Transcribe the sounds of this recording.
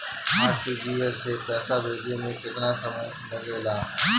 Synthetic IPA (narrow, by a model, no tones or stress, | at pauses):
aːʈid͡ʒiːɛseːpɛːsaːbeːd̪eːmẽkɪt̪nãːsəməj | mɐɾeːlãː